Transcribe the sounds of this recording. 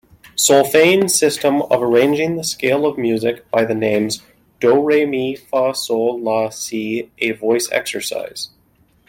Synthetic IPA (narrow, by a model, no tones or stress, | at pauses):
sɔlˠfẽɪ̃nsɪstə̃mʌ̰və˞ẽɪ̃nd͡ʒɪ̃ŋðəskeɪlˠʌvmjʉzɨkb̥aɪðɨnẽɪ̃mz | d̥oʊɹeɪmifɑsolɑsiʔɨvɔɪsɛ̰ksə˞sa̰ɪz̥